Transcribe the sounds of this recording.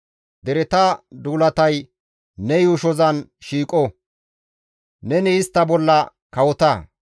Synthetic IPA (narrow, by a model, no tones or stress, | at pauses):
d̪ɛɾɛt̪ɐd̪uːlɐt̪ɐj | nɛjʊʃɔzɐnʃiːkʼɔ | nɛnɛɪst̪ːɐbɔlːɐ | kɐwɔt̪ɐ